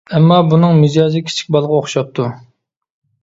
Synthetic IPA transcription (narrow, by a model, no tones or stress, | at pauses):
ɛmːɑbunɨŋmɨd͡ʒɑːzɨkʲʰi̥t͡ʃʰi̥kʲbɑlˠʁɑoχʃɑp̚t̪ʰu